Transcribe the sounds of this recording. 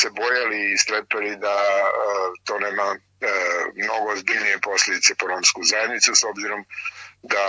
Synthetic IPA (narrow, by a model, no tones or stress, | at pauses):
se̞bo̞jaliːst̪ɾepelid̪a | t̪o̞ːne̞ːma | mno̞ɡoːzbiʎnije̞po̞slʎʲed̪it̪se̞po̞ɾo̞mskuzajed̪nit̪suso̞bziɾo̞md̪a